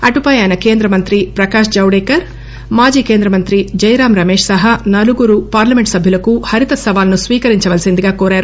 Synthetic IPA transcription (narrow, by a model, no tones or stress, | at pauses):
ɐʈupaːjaːnɐke̞ːnd̪ɾɐmɐnt̪ɾipɾɐkaːʃd͡ʒɐwɽeːkɐɾ | maːd͡ʒiːke̞ːnd̪ɾɐmɐnt̪ɾid͡ʒɐjɾaːmɾɐmeːʂsɐɦɐnɐluɡuɾupaːɾlɐme̞ɳʈsɐbʱjulɐkuhɐɾit̪ɐsɐʋaːlɐnusʋiːkɐɾiɲt͡ʃɐʋɐlsind̪iɡaːkoːɾaːɾu